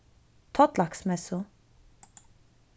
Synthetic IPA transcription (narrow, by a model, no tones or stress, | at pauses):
t̪ʰɔt̪lɑksmɛsʊ